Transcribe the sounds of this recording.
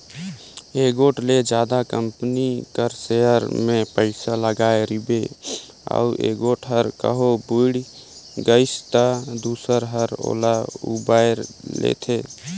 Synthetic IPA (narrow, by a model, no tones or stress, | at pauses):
eːɡoːʈled͡ʒjaːd̪akəmpnikəɾseɦəɾmẽpəɪsaləɡaːeɾibe | ə̰uʔḛːɡoʈʰɦəɾkə̰ɦobuɽɡəɪst̪ad̪uːsəɾɦəɾo̰ːlaṵbaːjɾlḛt̪ʰeː